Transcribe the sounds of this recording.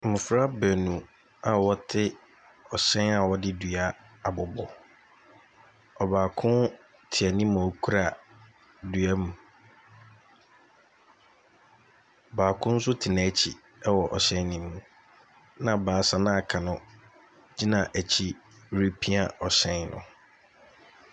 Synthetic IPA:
mʊ̃˨fɾa˦bæ˨nũ˨ | a˨wɔ˦tʰɪ˦ | ɔ˨ɕɛ̃˦na˨wɔ˦dɪ˦dɥa˦ | a˨bʊ˨bɔ˨ | ɔ˨baː˨kʰʊ̃˦n | tʰɪ˨ɛ˨nĩ˦m̃˨kʰu˦ɾa˨ | dɥa˦mũ˨ | baː˨kʰʊ̃˦n̩˦sʊ˦tʰɪ˨nã˨˦t͡ɕʰi˨ | ɛ˦wɔ˨ʔɔ˨ɕɛ̃˦nĩ˦mːũ˨ | nã˨baː˨˦sa˨nã˦a˨kʰa˨nʊ̃˦ | d͡ʑi˦nã˨ʔæ˨t͡ɕʰi˦ɾe˦pʰi˦a˨ɔ˨ɕɛ̃˦nnʊ̰̃˨

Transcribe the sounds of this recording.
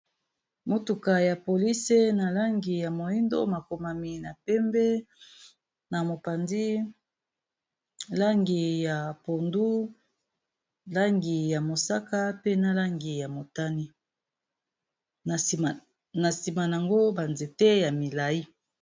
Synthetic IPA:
mo˦tu˨ka˨ja˨po˨li˦se˦na˨la˦ŋɡi˨ja˨mo˨i˦ndo̰˦ma˨ko˨ma˨mi˨na˨pɛ˦mbɛ˦ | na˨mo˨pa˨ndi˦ | la˦ŋɡi˨ja˨po˨ndu˦ | la˦ŋɡi˨ja˨mo˨sa˦ka˦pe˦na˦la˦ŋɡi˨ja˨mo˨ta˦ni˦˨ | na˨si˨ma˨n˨a˨ŋɡo˦ba˨nze˨te˦ja˨mi˨la˨i˦

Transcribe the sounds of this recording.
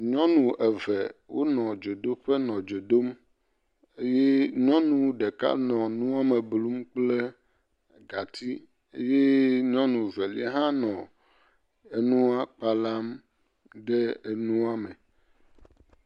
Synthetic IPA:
ɲɔ̃˦nũ˨ʔɛ˨vɛ˨wo˦nɔ̃˨d͡ʒo˨do˦ɸe˦nɔ̃˨d͡ʒo˨do˦m | e˦je˦ɲɔ̃˦nũ˦ɖe˨ka̰˦nɔ̃˨nũ˦a˦me˨blu˦mk͡ple˦ | ɡa˨t̪i˦ | e˦je˦ɲɔ̃˦nũ˨vɛ˨li˦ɦã˦nɔ̃˨ | e˨nũ˦a˦k͡pa˨la˦m | ɖɛ˦e˨nũ˦a˦me˨

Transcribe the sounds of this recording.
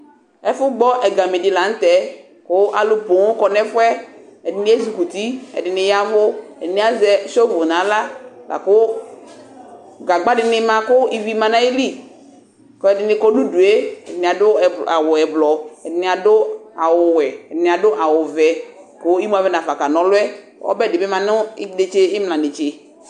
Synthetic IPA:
ɛ˦fʊ˦ɡ͡bɔ˦ʔɛ˨ɡa˨me˨dɪ˨la˨ŋ̩˦t̪ɛ˨˦ | kʊ˦ʔa˨lʊ˨po˨ŋ˦kɔ˨nɛ˦fʊ˦ɛ˦ɛ˨dɪ˨nɪ̃˦ɛ˦zu˨ku˨t̪i˦ɛ̰˨dɪ˨nɪ̃˨ja˦vʊ˦ɛ̰˨dɪ˨nɪ̃˦a˨zɛ˨˦ʃo˦vʊ˨nã˨˦la˦lʔa̰˨kʊ˦ | ɡa˨ɡ͡ba˦dɪ˨nɪ˦mã˨kʊ˦i˨vi˦mã˨nã˦e˦li˦ | kɔ˦ɛ˨dɪ˨nɪ˨˦kɔ˦nu˦du˨e˦ɛ˨dɪ˨nɪ˨a˨dʊ˦ɛ˨a˨wʊ˨ɛ˨blɔ˨ɛ˨dɪ˨nɪ̃˨a˨dʊ˦a˨wʊ˨wɛ˨ɛ˨dɪ˨nɪ̃˨a˨dʊ˦ʔa˨wʊ˨vɛ˨ko˦i˦mu˦a˨vɛ˦nã˨fa˨ka˨nɔ̃˨lʊ˦ɛ˦ | ɔ̰˦bɛ˦˨dɪ˨bɛ˦mã˨nʊ˦de˨t͡ʃe˦ɪ˦m˨lã˨de˨t͡ʃe˨

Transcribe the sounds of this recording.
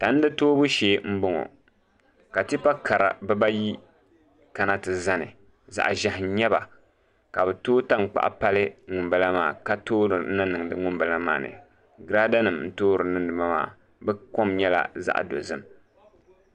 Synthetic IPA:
ta˨˦n˦dɨ˦toː˦bu˦ʃeː˨˦˨m̩˦bʊ˦ŋo̰˨ | ka˨ti˦pa˦kʰa˨ɾa̰˨bɛ˦ba˦ji˦ | ka˨na˦tɨ˨za˦nɨ̰˨ | za̰˨ʔʒa˨hɪ˨˦ɲɛ˦ba̰˨ | ka˨bɨ˨toː˦ta˦ŋ˨k͡pa̰˦ʔa̰˦pa˦lɨ˦ŋʊ˨mba˦la˦maː˨ka˦toː˦ɾɨ˨˦na˦nɨ˨ŋ˨dɨ˦ŋʊ˦mba˨la˦ma̰ː˨nɨ̰˨ | ɡɨ˨ɾa˦da˦nɨ˨mn̩˦toː˦ɾɨ˨nɨ˦dɨ˨ma˦ma̰ː˦˨ | bɛ˦ko˦mɲɛ˦la̰˦za̰˦ʔdo̰˨zɨ˦m

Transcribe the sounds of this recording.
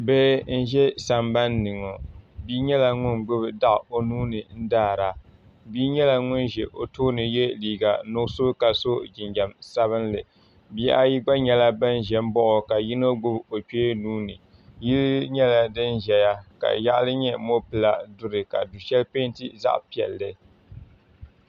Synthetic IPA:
bɛ˦n̩˦ʒɛ˦sa˨mba˦nːɨ˨ŋo˨biː˦ɲɛ˦la˨ŋʊ˦nɡ͡bʊ˦bda˦ʔo˨nuː˦nɨ˨n̩˦daː˦˨ɾa˨ | biː˦ɲɛ˦la˨ŋʊ˦nʒɛ˨ʔo̰˨toː˦nɨ˨jɛ˦liː˨ɡa̰˨nʊ˦so˦ka˨so˦d͡ʒɪ˨nd͡ʒa˨msa˦βɨ˦nlɨ˨ | bi˦ʔa˦ji˦ɡ͡ba˦ɲɛ˨la˦ba˦nʒɛ˨m˦bɔ˦ʔʊ˨ka˨ji˦no˦ɡ͡bʊ˦bo˨k͡peː˦nuː˦nɨ˨ | ji˦lɲɛ˦la˨dɨ˦nʒɛ˨ja˦ka̰˨ja˦ʔlɨ˦ɲɛ˦mo˦pɨ˨la˦dʊ˦ɾɨ˨ka̰˨du˨ʃɛ˦lpe˦ntḭ˦za̰˦ʔpi˨ɛ̰˨lːɨ˦

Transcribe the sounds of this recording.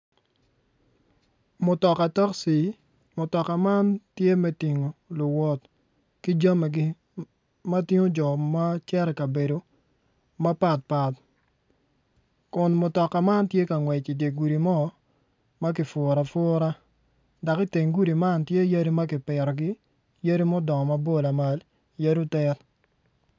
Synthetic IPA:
mʊ˨tɔ˨ka˨ta˦ksi˨ | mʊ˨tɔ˨ka˨ma˦ntje˦mɛ˦ti˨ŋo˨lʊ˨wɔ˦t | ki˦d͡ʒa˦me˨ɡɪ˦ | ma˦tɪ˦ŋo˦d͡ʒɔ˨ma˦t͡ʃɛ˦ɾɛ˨kɐ˨be˨do˨ | ma˦pa˨t̚pa˨t | kʊ˨nmʊ˨tɔ˨kːa˨ma˦ntje˦ka˨ŋwɛ˨t͡ʃi˨dje˨ɡu˨ɾi˨mɔ˦ | ma˦k̬ɪ˨fɔ˨ɾa˨fɔ˦ɾa˦ | da˨kɪ˦te˨ŋɡu˦di˨ma˦ntje˦ja˦ɾi˦ma˦kɪ˨pɪ˨ɾɔ˨ɡɪ˦ | ja˦ɾi˦mɔ˦dɔ˨ŋɔ˨ma˦bo˦˨la˨ma˨l | ja˦ɾu˦tɛ˦t

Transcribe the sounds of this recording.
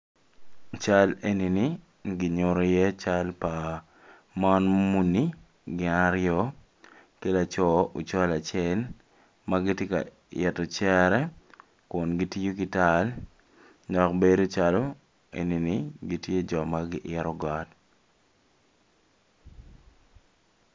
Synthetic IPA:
t͡ʃa˦le˦ni˨nɪ | ɡɪ˨ɲo˨ɾo˨je˦t͡ʃa˦lpa˨ | mɔ˦nmu˦ni˦ | ɡɪ˨naɾjɔ˦ | ke˦la˨t͡ʃɔ˦o˨t͡ʃa˦la˨t͡ʃɛ˦l | ma˦ɡɪ˦tje˦ka̰˨ | ɛ˨tɔ˨t͡ʃɛɾɛ˦ | kʊ˨nɡi˦ti˦jo˦kɪ˨ta˦l | dɔ˨kbe˦do˦t͡ʃalo˦ | ḛ˨ni˨nɪɡi˦tje˦d͡ʒɔ˨maɡɪ˦ʔɪɾɔ˦ɡɔ˦t

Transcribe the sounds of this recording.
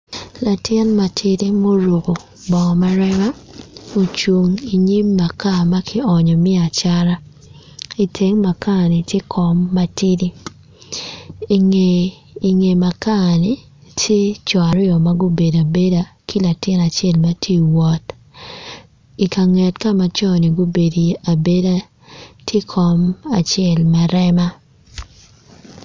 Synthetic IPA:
la˨tɛ˦nma˨tʰi˦di˦mo˦ɾo˨ko˨ | bɔ˨ma˦ɾɛ˦ma˦o˨t͡ʃwo˨ŋi˨ɲi˦mːa˨ka˦˨ma˦kʰɪ˦ɔ˨ɲɔ˨mɪ˦a˨t͡ʃa˦ɾa˦ | i˨tʰe˨ŋma˨ka˦˨nɪ˨tje˦kʰɔ˨mːa˦tʰi˦di˦˨ | ŋeː˨ | ŋe˨ma˨ka˦˨ni˨ | tʰe˦t͡ʃwa˨ɾjɔ˨ma˦ɡu˦be˨da˨be˦da˦kʰi˦la˨tɪ˦na˨t͡ʃɪɛ˦lma˦tʰi˦wɔ˨t | i˨ka˨ŋɛ˨tka˦ma˦t͡ʃɔ˦ni˨ɡu˦be˨di˨a˨be˦da˦ | tʰje˦kʰɔ˦ma˨t͡ʃɛ˦˨lmɛ˦ɾɛ˦ma˦

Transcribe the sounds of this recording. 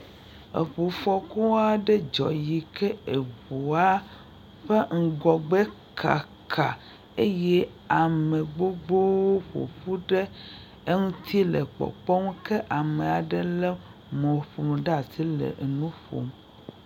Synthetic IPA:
ḛ˨ɸo˨fɔ˦ko˦wa˦ɖe˦d͡ʒɔ̰˨ji˨kɛ˦e˨βo˨a˦ | ɸe˦ŋ̩˦ɡɔ˨ɡ͡be˦ | kʰa̰˨ | kʰa˨ | e˦jɛ˦ | a˨mẽ˨ɡ͡bo˦ɡ͡bo˦wo˦ɸo̰˨ɸu˦ɖe˦ | e˦ŋũ˦t̪ʰi˦lɛ̰˨k͡pɔ̰˨k͡pɔ˦ŋũ˦ke˦ʔa˨me˨a˨ɖɛ˦lɛ˦ | mɔ̃˨ɸo˨mɖa˨si˦lḛ˨ʔnũ˦ɸo̰˨m

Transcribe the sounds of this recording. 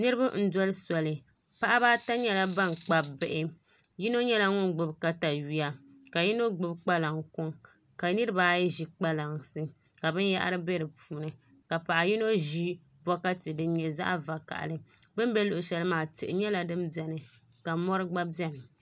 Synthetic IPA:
nɨ˦ɾɨ˦ba˦n̩˦dɔ˦lɨ˦sɔ˨lɨ˨ | pa˦ʔa˦baː˦ta˦ɲɛ˦la˦ba˦nk͡pa˦bɪ˦ʔɪ˦ | ji˦no˦ɲɛ˦la˦ŋʊ˦nɡ͡bɨ˨bka˦ta˨ɥi˦a˦ | ka˨ji˦no˦ɡ͡bɨ˦bk͡pa˦la˨ŋkʊ˦ŋ | ka˨nɨ˦ɾɨ˦baː˦jɛ˦ʒi˨k͡pa˦la˨ŋsɨ˦ | ka˨bɨ˦n˦ja̰˦ʔa̰˦ɾɨ˦be˦ɾɨ˨puː˨nɨ˨ | ka˨pa˨ʔa˨ji˦no˦ʒi˦ | bɔ˦ka˦tɨ˨dɨ˦ɲɛ˨za̰˦ʔva˨ka̰˨ʔa̰˨lɨ˦bɨ˦m˦bɛ˦lo˨ʔʊ˨ʃɛ˦lɨ˦maː˨tɪ˨ʔɪ˨ɲɛ˦la˦dɨ˦mbɛ˨nɨ˨ | ka˨mɔ˦ɾɨ˦ɡ͡ba˦bi˦ɛ˦nɨ˨

